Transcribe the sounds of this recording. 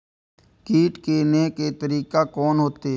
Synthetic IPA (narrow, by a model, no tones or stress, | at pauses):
kiːʈkeneket̪əɾiːkakɔːnɦoːt̪eː